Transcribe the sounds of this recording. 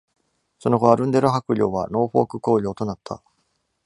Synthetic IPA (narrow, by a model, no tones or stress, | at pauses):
so̞no̞ɡo̞βaɾɯ̟̃nd̪e̞ɾoɦakɯ̟ɾʲo̞ːβa̰no̞ːɸo̞̰ːkɯ̟ko̞ːɾʲo̞ːt̪o̞nat̪ʰːa̰